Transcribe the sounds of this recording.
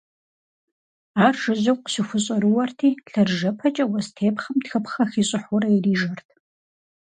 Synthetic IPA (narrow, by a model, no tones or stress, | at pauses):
aːrʒɨʑɐwqɕɪxʷʊɕʼɐɾɨwɐrtʰiːɬɐrʒɐpʰɐt͡ʃʼɐwɐstʰeːpχɐmtxɐpχɐxiːɕʼɪħʊɾɐjiriːʒɐrtʰ